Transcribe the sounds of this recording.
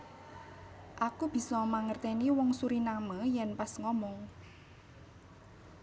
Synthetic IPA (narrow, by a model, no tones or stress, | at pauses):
ʔakub̥i̤sɔmaŋərt̪ɛniwɔŋsuɾinaməjɛnpasŋɔmɔŋ